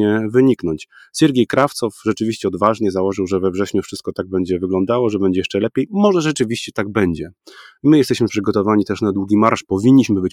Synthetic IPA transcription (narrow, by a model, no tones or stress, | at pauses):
ɛvɘɲiknɔɲt͡ɕ | sʲɛɾɡʲejkɾaft̪sɔfʐɛt͡ʂɘvʲiɕt͡ɕɛɔd̪vaʐɲɛzawɔʐɘwʐɛvɛvʐɛɕɲufʂɘst̪̚kɔt̪aɡ̚bɛɲd͡ʑɛvɘɡlɔ̃nd̪awɔʐɛbɛɲd͡ʑɛjɛʂt͡ʂɛlɛpʲjejmɔʐɛʐɛt͡ʂɘvʲiɕt͡ɕɛt̪aɡ̚bɛɲd͡ʑɛmɘjɛst̪ɛɕmɘpʂɘɡɔt̪ɔvaɲit̪ɛʂnad̪wuɡʲimaɾʂpɔvʲiɲːiɕmɘbɘt͡ɕ